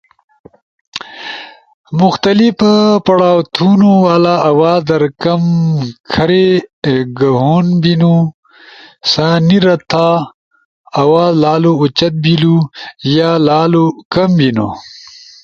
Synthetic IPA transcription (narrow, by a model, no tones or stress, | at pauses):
mʊxt̪ɐlifpɐɽaːwt̪ʰunuwalaːawaːd̪ɐɾkɐmkʰɐɾeɡɐɦunbinu | saːniɾɐt̪ʰa | ɐwaːzlaːlout͡ɕɐt̪̚bilujaːlaːlokɐmbino̰